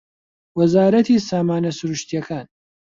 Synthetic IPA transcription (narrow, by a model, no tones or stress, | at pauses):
wɐzaːɾɐt̪ʰiːsaːmaːnɐsuɾuʃt̪ijɐkʰaːn